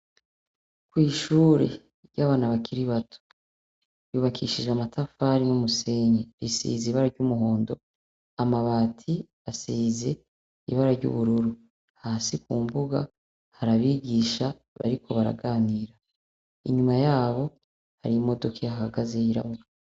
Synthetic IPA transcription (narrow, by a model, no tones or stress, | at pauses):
kwiːʃuːɾe̞̰ | ɾɟaːβaːnaβakʰiɾiβatʰu̥ | juːβakʰiʃiʒeamatʰafaɾinumuse̞ɲeɾisḭːzeiβaɾaɾɟumuɦo̞ːndo̞̰ | amaβaːtʰi | asize̞ | ḭβaɾaɾɟṵβuɾuɾu | haːsikuːmbuɡa̰ | haɾaβiɡiːʃa | βa̰ɾikʰo̞βaɾa̰ɡaːniːɾa | ḭɲumajaːβo̞ | ha̰ɾimo̞do̞kʰejahaɡaze̞jiɾa̰βuɾ